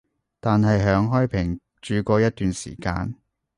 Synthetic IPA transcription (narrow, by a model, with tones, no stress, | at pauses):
t̪aː˨nɦɐ˨jɦœː˨˥ŋɦɔː˥jpʰɪ˨˩ŋ | t͡ʃyː˨kɔː˧jɐ˥t̚t̪yː˨nsḭː˨˩ka̰ː˧n